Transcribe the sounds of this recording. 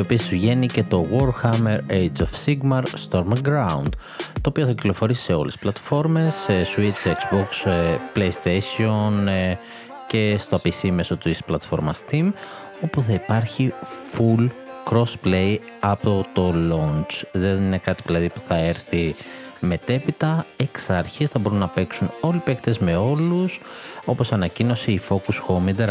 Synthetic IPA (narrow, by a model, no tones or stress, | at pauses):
o̞pieszʝe̞nice̞t̪o̞ɣo̞ɾxɐme̞ɾejd͡zofsiɡmɐɾst̪o̞ɾmɡɾaund̪̥ | t̪o̞ːpioθɐcilo̞fo̞ɾisi̥se̞o̞̰lesi̥plɐt̪fo̞ɾme̞sswit͡ʃekz̥boksplejist̪esion | ce̞st̪oɐpisimeso̞t̪uisplɐt̪fo̞ɾmɐst̪im | o̞puθɐipɐɾçifulkɾo̞sple̞j | ɐpo̞t̪o̞lo̞nt͡ʃðenine̞kɐt̪ivilɐðipu̥θɐe̞ɾθime̞t̪e̞pit̪ɐeksɐɾçisθɐbo̞ɾunːɐpe̞ksuno̞lipekt̪ezme̞o̞luso̞po̞sɐnɐcino̞siːfo̞kusxo̞mid̪eɾ